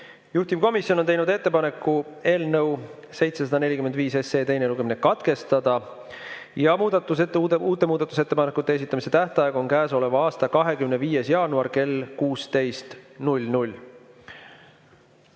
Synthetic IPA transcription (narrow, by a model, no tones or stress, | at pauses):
juht̪ivko̞misjo̞no̞nejnud̪e̞t̪ːepɑne̞kːˑue̞ːlnəw | se̞jt̪se̞sɑd̪ɑne̞lʲikymed̪viːse̞se̞ːt̪e̞jneluɡe̞minekɑt̪ke̞st̪ɑd̪̥ɑ | jɑmuːd̪̥ɑt̪ːˑuseuːt̪ːˑe̞muːd̪̥ɑt̪ːˑuse̞t̪ːe̞pɑnekːˑut̪ːˑees̬it̪ːˑɑmise̞t̪æht̪ɑjeɡo̞ŋkæːso̞le̞vɑɑːst̪ɑkɑɦe̞kymneviːje̞sjɑːnuɑrke̞lkuːst̪e̞jst̪nulʲnulʲ